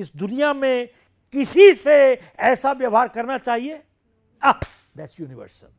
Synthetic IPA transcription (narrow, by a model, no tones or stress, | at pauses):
ɪsd̪ʊnijamẽ | kɪsise | ɛːsaʋjɐʋɦaːɾkɐɾnat͡ʃaːɦie | a | d̪æʈsjuːnɪʋə̰ɾsə̰l